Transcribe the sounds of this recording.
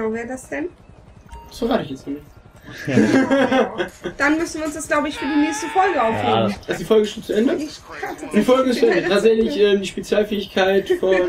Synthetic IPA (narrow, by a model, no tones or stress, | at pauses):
əaʊvɛːɐdasd̥ɛn | soʁaːtəɪçjɛt͡snəmɪç | d̥anmʏsn̩viɐʊnsd̥asɡ̥laʊbəɪçfyːɐdiːneːçstəfɔlɡəaʊfheːənʔazodiːfɔlɡəɪsʃteːt̚t͡suʔɛndə | d̥iːfɔlɡəɪstt͡suʔɛndətʰaːtz̥ɛçlɪçʔɛːmdiːʃpet͡sjaːlfɛːɪçkʰaɪtfɔn